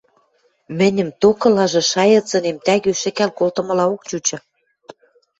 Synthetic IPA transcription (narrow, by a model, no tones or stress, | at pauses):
mɘ̆nʲə̆mt̪okɤ̆lɑʒɤ̆ʃɑjɤ̆t͡sɤ̆nemt̪æɣøʃɘ̆kælkolt̪ɤ̆mɤ̆lɑok̚t͡ɕut͡ɕɤ̆